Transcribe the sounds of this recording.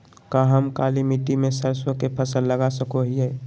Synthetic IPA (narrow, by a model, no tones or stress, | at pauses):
kaɦəmkaːlimiʈimẽsəɾswəkepʰəsəlːəɡasəkoɦiɦɛː